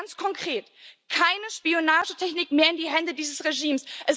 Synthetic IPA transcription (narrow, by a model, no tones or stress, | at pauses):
nt͡skʰɔŋkʁ̥eːtkʰaɪnəʃpionaːʒətʰɛçnɪkmeːɐɪndiːɦɛndədiːzəsʁeʒiːmsʔɛs